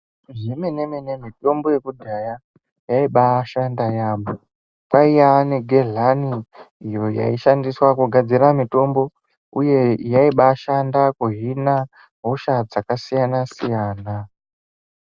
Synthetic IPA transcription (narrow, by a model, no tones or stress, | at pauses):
ʐimene̞mene̞mito̞mbo̞je̞kudʱaja | jaiɓaʃandajaːmo | kwaijaneɡʱe̞ɮaniːjo̞ja̰iʃandiswakuɡʱad͡ziramito̞mbo̞ | uje̞jaiɓaʃandakuɦina | ɦo̞ʃad͡zakasijanasijaːna